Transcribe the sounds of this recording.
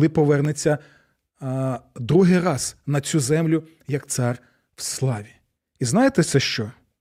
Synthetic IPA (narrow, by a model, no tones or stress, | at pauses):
lˠɪpɔʋɛrnet͡sʲːɐ | d̪ɾuɦɪjrɑz̥nɐt͡sʲuzɛmlʲʊ | jɐkt̪sɑr | wslˠɑʋʲi | iznɑjet̪ɛt̪sɛʃt͡ʃɔ